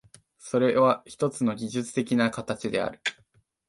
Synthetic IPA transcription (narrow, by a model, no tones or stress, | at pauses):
so̞ɾe̞βaçi̥t̪o̞t͡sɨno̞ɡʲiʑɨt͡sɨ̥t̪e̞kʲinakat̪at͡ɕid̪e̞a̰ɾɯ̟